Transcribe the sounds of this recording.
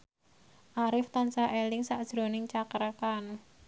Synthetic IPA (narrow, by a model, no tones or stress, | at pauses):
ʔaɾɪft̪ansaʔelɪŋsaʔd̥ʒ̥ɾo̤nɪŋt͡ʃakəɾkan